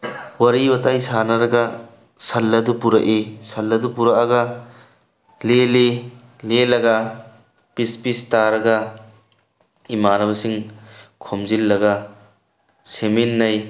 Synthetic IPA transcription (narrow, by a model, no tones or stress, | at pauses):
wɐɾibɐtajsanɐɾɐɡɐ | sɐlːɐdupuɾɐʔisɐlːɐdupuɾɐʔɐɡɐ | leli | lelɐɡɐ | pispistaɾɐɡɐ | imanɐβɐsiŋkʰomzilːɐɡɐ | seminːɐj